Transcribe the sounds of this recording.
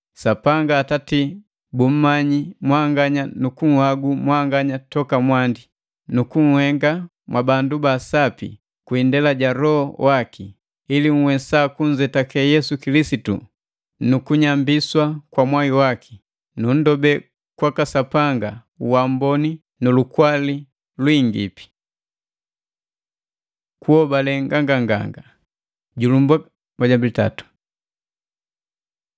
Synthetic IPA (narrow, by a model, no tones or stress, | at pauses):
sapaŋɡaːtati | bum̩maɲimwaŋɡaɲanukuŋ̩haɡumwaŋɡaɲatɔkamwandi | nukuŋ̩hɛŋɡa | mwabandubaːsapḭ | kwiːndɛlaɟaɾɔhɔwaki | iliŋ̩wɛsaːkuɲd͡ʒɛtakɛjɛsukilisitṵ | nukuɲambiswakwamwajiwaki̥ | nun̩dɔbɛ | kwakasapaŋɡa | uwambɔni | nulukwali | lwiŋɡḭpi̥ | kuhɔbalɛŋɡaŋɡaŋɡa̰ŋɡa | ɟulumba | ɡaɟambilita̰tu̥